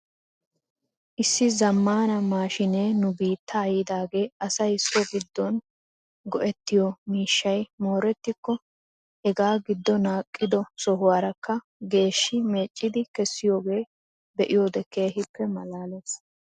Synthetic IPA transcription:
ʔɪsːɪzɐmːaːnɐmaːʃɪneːnʊbiːt̪ʰːɐjɪd̪aːɡe̞ːɐsɐjsɔɡɪd̪ːɔn | ɡɔʔɛt̪ːɪjɔmiːʃːɐjmo̞ːɾɛt̪ːɪkːɔ | ɛɡaːɡɪd̪ːɔnaːkʼːɪd̪ɔsɔɦʊwaːɾɐkʰːɐ | ɡe̞ːʃːɪme̞ːt͡ʃʼːɪd̪ɪkɛsːɪjo̞ːɡe̞ː | bɛʔɪjo̞ːd̪ɛkeːɦɪpːɛmɐlaːleːs

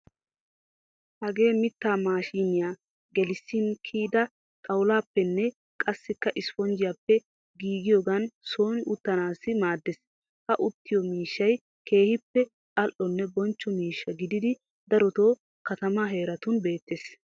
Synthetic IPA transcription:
hɐɡe̞ːmɪt̪ːaːmaːʃiːnɪjaː | ɡɛlɪsːɪnkʰiːd̪ɐ | t̪ʼɐwʊlaːpːɛnːɛ | kʼɐsːɪkːɐʔɪsfɔnd͡ʒɪjapːɛ | ɡiːɡɪjoːɡɐnso̞ːnɪʔʊt̪ːɐnaːsːɪmaːd̪ːes | hɐʔʊt̪ːɪjɔmiːʃːɐj | kʰe̞ːhɪpːɛ | kʼɐlʔɔnːɛbɔnt͡ʃːɔmiːʃːɐɡɪd̪ɪd̪ɪ | d̪ɐɾɔt̪o̞ː | kɐt̪ɐmaɦe̞ːɾɐt̪ʊnbe̞ːt̪ːeːs

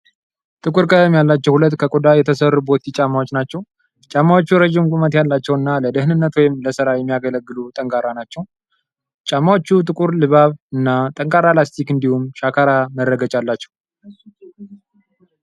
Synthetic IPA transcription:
t̪ʼɨkʼuɾkʼət̪mjalːat͡ʃːɛwhulət̪ːkʰəkʼod̪ajɛt̪ʰəsərːubo̞t̪it͡ʃʼamawot͡ʃːnat͡ʃːɛw | t͡ʃʼamawot͡ʃːuɾəʒimɡʷʼumət̪jalːat͡ʃːɛwɨnːaləd̪ɨhnɨnːət̪wɔjɪmləsɨɾajɛmːijaɡələɡːɨlut̪ʼəŋkʼaɾanat͡ʃːɛw | t͡ʃʼamːawot͡ʃːut̪ʼɨkʼuɾlɨβaβɨnːat̪ʼəŋkʼaɾalast̪ʰikɨnd̪ihumʃakʰaɾaməɾːəɡət͡ʃʼalːat͡ʃːɛ̥w

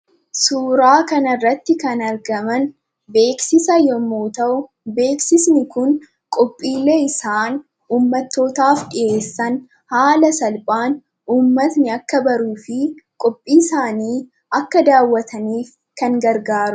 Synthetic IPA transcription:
suːɾaːkɐnɐrːɐt̪ːɪkɐnɐɾɡɐmɐn | be̞ːksɪsɐjɔmːoːt̪ɐʔʊ | be̞ːksɪsnɪkʊn | kʼɔpʼːiːlːeːɪsaːn | uːmːɐt̪ːo̞ːt̪aːfɗɪʔʔe̞ːsːɐn | haːlɐsɐlpʼaːn | uːmːɐt̪nɪɐkːɐbɐɾuːfɪkʼɔpʼːiːsaːniː | ʔɐkːɐd̪aːwːɐt̪ʰɐniːf | kɐŋɡɐɾɡaːɾʊ

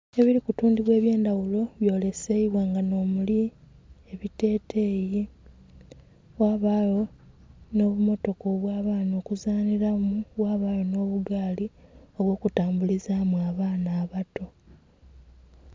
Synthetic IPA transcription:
e̞βiɾikutuːndiβwe̞ːβje̞ːndawulo̞βjo̞ːle̞seiβwaːŋɡano̞ːmuli | e̞βite̞ːtʰe̞ːji | waːβaːjo̞ | no̞ːβumo̞to̞koβwaːβaːno̞ːkuzaːniɾamuwaːβaːjo̞no̞ːβuɡaːlio̞βwo̞ːkutaːmbulizaːmuaːβaːnaːβato̞

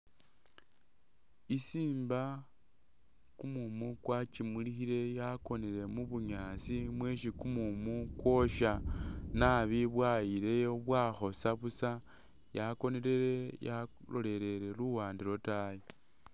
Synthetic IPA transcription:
isiːmba | kumumukwat͡ʃimuilixiɾe̞jako̞neɾe̞muβuɲaːsimweʃikumumukwo̞ʃanaβiβwajiɾe̞joβwaxo̞saβusa | jako̞neɾe̞ɾe̞ja | lo̞le̞ɾe̞ɾe̞luwaːndiɾo̞taji

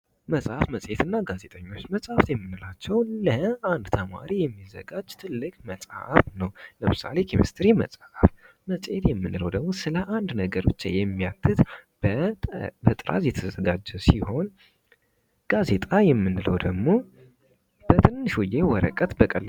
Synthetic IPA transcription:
məsʼafməsʼjet̪ɨnːaɡaze̞t̪ʼəɲːo̞t͡ʃːməsʼaft̪jɛmːɨnːɨlat͡ʃːɛwləand̪t̪ʰəma̰ɾijɛmːizːə̰ɡad͡ʒːt̪ʰɨlːɨkʼməsʼa̰fnəwləmɨsa̰le̞kʰimḭst̪ʰɾimə̰sʼaf | məsʼjet̪jɛmːɨnːɨləwd̪əɡmo̞sɨləʔand̪nəɡəɾo̞t͡ʃːjɛmːijat̪ʰːɨt̪ | bət̪ʼɨɾʔa̰zjɛt̪ʰəzəɡad͡ʒːɛsiho̞n | ɡ̥aze̞t̪ʼajɛmːɨnːɨləwd̪əɡmo̞ | b̥ət̪ʰɨnːɨʃɔjewɔɾə̰kʼət̪bəkʼəlː

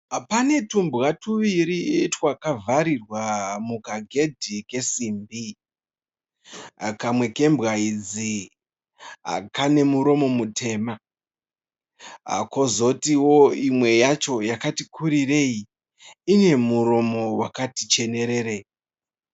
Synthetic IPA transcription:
pane̞tumbɣatuʋiɾitwakavʱaɾirwamukaɡʱe̞dʱike̞siːmbi | kamwe̞ke̞mbɣaid͡zi | a̰kane̞muɾo̞mo̞mutʰe̞ːma | kozo̞tiwo̞imwe̞jat͡ʃo̞jakatikʰuɾire̞i | ine̞muɾo̞mo̞wakatit͡ʃe̞ne̞ɾe̞ɾei

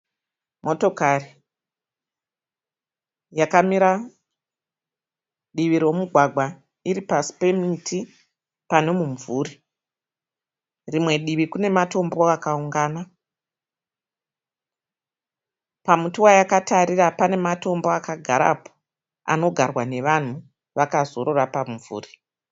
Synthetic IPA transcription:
mʔo̞to̞kari | jakamiɾa | ɗiʋiɾwo̞muɡʱwaɡʱwa | iɾipasi̥pe̞mitʰi | pane̞muɱvuːɾi | rimwe̞ɗiʋikune̞mato̞mbo̞akauŋɡaːna | pamutiwajakataɾiɾapane̞mato̞mboakaɡʱaɾa̰po̥ | a̰no̞ɡʱarwane̞ʋan̤u | ʋakazo̞ɾo̞rapamvṵːri

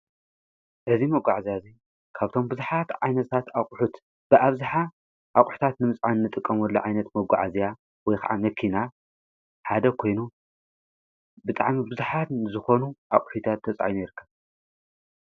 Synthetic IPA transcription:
ʔɨzimɐɡʷaʕazijazi | kʰaβt̪ʰo̞mbɨzuħat̪ʕajnɐt̪ʰat̪akʼʊħut̪ | b̥ɨʔaβzaħa | ʔakʼħu̥t̪ʰat̪nɨmɨt͡sʼʕannːɨt̪ʼɨkʼːɐmwɔlːɐʕajnɐt̪mɐɡʷa̰ʕazija | wɔjxa̰ʕamɐkʰina | ħad̪ɐkʰo̞jnu | bɨt̪ʼaʕmibɨzuħat̪ɨzɨxo̞nuʔakʼʊħit̪ʰat̪ʰːɐt͡sʼa̰ʕinɛɾkʰːɐβ

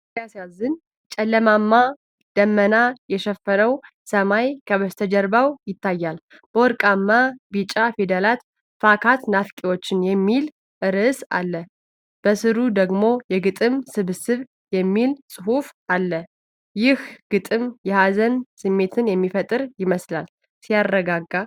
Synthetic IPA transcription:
asazɨn | t͡ʃʼɛlːəmamːa | d̪̥əmːənajɛʃɛfːənəw | səmajkʰəβəst̪ʰəd͡ʒɛɾbawjɪt̪ʰːajːal | b̥əwɔɾkʼamːabit͡ʃʼafed̪əlat̪ | fakʰat̪nafkʼewo̞t͡ʃːɪnjɛmːil | ʔɨɾɨsa̰lːə | b̥əsɨɾud̪əɡmo̞jɛɡɨt̪ʼɨmsɨβɨsɨβ | jɛmːilsʼɨhufalːə | jɪhɡ̥ɨt̪ʼɨmjɛhazənsɨmːe̞t̪ʰɨnjɛmːifət̪ʼɨɾjɪməslal | sijarːəɡaɡːa

